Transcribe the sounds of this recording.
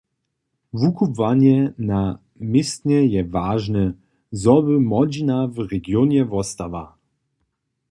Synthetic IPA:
vukubvanɛna | mɪst̪ɲɛjɛvaːʐnə | zɔbɘmɔd͡ʑinavɾɛɡjɔnɛvɔst̪ava

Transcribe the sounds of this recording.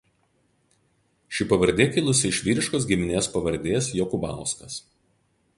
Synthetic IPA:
ʃʲɪpɐʋɐɾʲd̪ʲeːkʲɪlˠʊsʲɪɪʃʲʋʲiːɾʲɪʃkoːsɡʲɪmʲɪnʲeːspɐʋɐɾʲd̪ʲeːsjɔkʊbɑ̰ˑʊskɐs

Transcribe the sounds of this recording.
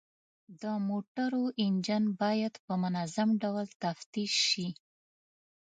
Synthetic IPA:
d̪əmoʈaɾoʔɪnd͡ʒanbɑjad̪pəmʊnazamɖawlt̪aft̪iʃːi

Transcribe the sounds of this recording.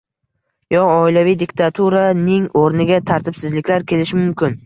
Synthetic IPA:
jɒɒɪlavijd̪ɪkʲt̪ʰat̪ʰuɾanɪŋoɾnɪɡʲat̪ʰaɾt̪ʰɪb̥sɪzlɪkʲlaɾkʲʰe̞lɪʃɪmʊmkʲɪn

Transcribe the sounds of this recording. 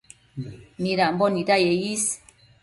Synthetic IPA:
miɾambɔnidajejis

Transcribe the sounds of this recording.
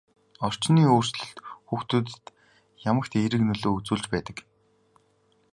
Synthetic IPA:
ɔr̥t͡ɕniːoːr̥sɮɵ̆ɬt̪xuːxt̪ut̪t̪ | jamə̆kt̪eɾɘ̆knɵɮoːut͡suːɮt͡ɕpæːt̪ə̆k

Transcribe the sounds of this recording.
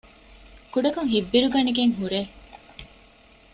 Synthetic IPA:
kuɖɐkɐŋɦibːiɾuɡɐneɡeŋɦuɾe

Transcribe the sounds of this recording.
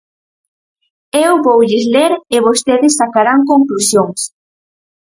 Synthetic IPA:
ewβowʎɪzleɾɪβost̪eðɪsːakaɾaŋkoŋklusjoŋs

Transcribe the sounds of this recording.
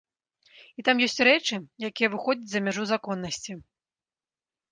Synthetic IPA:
it̪amjɔsʲt͡sʲɾɛt͡ʂɨjakʲijɐvɨxɔd͡zʲɐt͡sʲzɐmʲaʐuzakɔnːɐsʲt͡sʲi

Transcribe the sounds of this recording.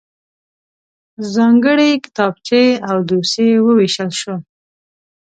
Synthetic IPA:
zɑŋɡəɽekɪ̥t̪ɑb̚t͡ʃeawd̪osewəweʃəlʃo

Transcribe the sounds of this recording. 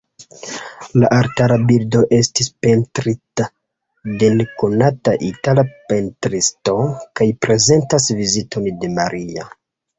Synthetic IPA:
laʔaɾtaɾabildo̞ʔe̞stispe̞ntɾita | denkonataʔitalape̞ntɾisto̞kajpɾe̞ze̞ntasvizito̞nde̞maɾʔia̰

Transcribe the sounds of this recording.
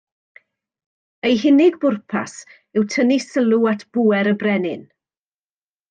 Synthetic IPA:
ejɦɪnɪɡbʊrpʰa̰s | ɪwtʰənisəlˠuatʰb̥uːɛɾəbrɛnɪ̰n

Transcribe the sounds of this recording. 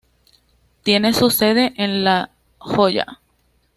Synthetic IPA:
t̪je̞ne̞suse̞ðe̞ʔenla | xo̞ʝa̰

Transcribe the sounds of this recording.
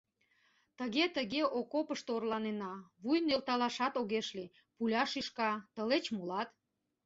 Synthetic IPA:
t̪əɣet̪əɣeʔokopəʃt̪oorlɑnenɑβujnelt̪ɑlɑʃɑt̪oɣeʃli | pulʲɑʃiʃkɑt̪əlet͡ɕmolɑt̪

